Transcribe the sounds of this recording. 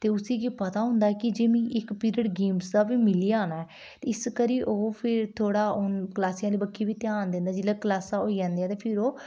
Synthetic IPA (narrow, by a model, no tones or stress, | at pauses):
t̪eːʊsiːɡipət̪aːɦʊ̃ːnd̪aːɛkɪd͡ʒeːmĩːʔɪkpiːɾəɖɡeːmsd̪aːʋiːmɪliːaːnaːɛː | t̪eːɪskəɾiːʔoːpʰɪɾt̪ʰoːɽaːʊnkəlaːsijãːliːbəkʰːiːʋiːt̪jaːnd̪ẽːnd̪aːd͡ʒɪlːaːklaːsaːoːiːd͡ʒãːnd̪iːãːt̪eːpʰɪɾoː